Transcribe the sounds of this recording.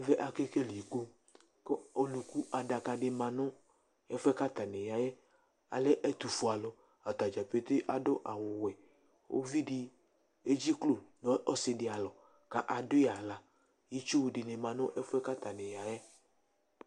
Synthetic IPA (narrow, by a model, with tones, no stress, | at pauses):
vɛ˦ʔa˨ke˦ke˦li˨ɡo˦ | kɔ˦o˨lu˨ku˦ʔa˨da˨ka˨ɖɪ˨˦mã˨nʊ̃˦ | ɛ˦fɛ˦ka˦t̪a˨nɛ˨ja˨jɛ˦ | a̰˨lɛ˦ʔɛ˦t̪u˨fu˨a˨lɔ˨ | a˨t̪a˨d͡ʒa˨pe˦t̪e˦ʔa˨dʊ˦ʔa˨wʊ˨wɛ˨ | o̰˦vi˦ɖɪ˨ | e˦d͡ʒi˦klo˦˨nɔ˦ʔɔ˦sɪ˨dɪ˨a˨lɔ˨ | ka˨ʔa˨dʊ˦˨a˨la˨ | ji˦t͡ʃu˦wdɪ˨ne˨mã˨nʊ̃˦ʔɛ˦fɛ˦ka˦t̪a˨nɛ̃˨ja˨jɛ˦